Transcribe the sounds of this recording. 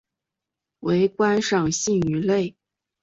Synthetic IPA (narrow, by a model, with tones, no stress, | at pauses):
we˧˥ɪkwa˥nʂɑ˥˩ŋɕi˥˩ŋy˧˥le˥˩ɪ